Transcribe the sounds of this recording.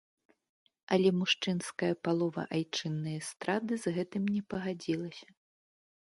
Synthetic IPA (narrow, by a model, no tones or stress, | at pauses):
ɐlʲɛmuʂt͡ʂɨnskɐjɐpalˠɔvɐ̰ʔajt͡ʂɨnːɨjɐst̪ɾad̪ɨzɣɛt̪ɨmʲnʲɛpɐɣad͡zʲilˠɐsʲɐ̥